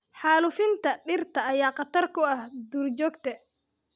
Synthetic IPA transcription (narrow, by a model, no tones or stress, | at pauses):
ħaːlʊfɪnt̪ɐɗɪrt̪ɐːjaːqɑt̪ɐrkɔɐhd̪uːrd͡ʒɔːɡt̪ɛ